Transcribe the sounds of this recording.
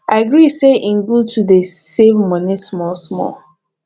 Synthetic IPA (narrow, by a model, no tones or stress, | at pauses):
aɪɡɹiseʔĩŋ̩ɡutʰudesevmɔnismɔsmɔ̰l